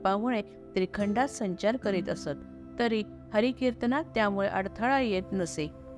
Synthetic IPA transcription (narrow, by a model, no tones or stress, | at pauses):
pamuɭe | t̪ɾikʰəɳɖat̪səɲt͡ɕaɾkəɾiːt̪əsət̪ː | əɾi | həɾikiɾt̪nat̪ːjamuɭeʔəɽt̪ʰəɭajet̪nəse